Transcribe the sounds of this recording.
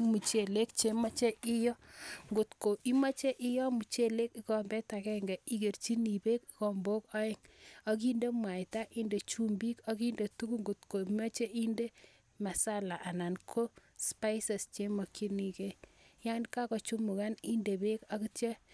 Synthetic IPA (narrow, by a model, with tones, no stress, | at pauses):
mu˨t͡ʃe˨le˦kt͡ʃe˦ma˦t͡ʃe˦ʔi˦jɔ˦ŋɡo˨tko˨ʔi˦ma˦t͡ʃe˦ʔɪ˦jɔ˦mu˨t͡ʃe˦le˦ki˦kɔ˨mbɛ˦ta˨kɛ˦ŋɡɛ˨i˨ke˨ɾt͡ʃi˦ni˨be˦kikɔ˨mbo˦kɔ˦ɪ˦˨ŋɔ˦k̬i˦nde˦mwa˨jta˦ʔi˦nde˨t͡ʃu˦mbi˦kɔ˦ki˦nde˨tu˦ku˦ŋɡu˨tko˨ma˦t͡ʃe˦ʔi˦nde˦ | ma˨sa˦la˨ʔa˨na˨nkʰo˦spa˦jsɛ˨st͡ʃe˦mɔ˨kʰi˦ni˨ke˦ | ja˦nka˦kɔ˨t͡ʃu˦mʊ˨ka˦ni˦nde˨be˦ka˦ki˦te˦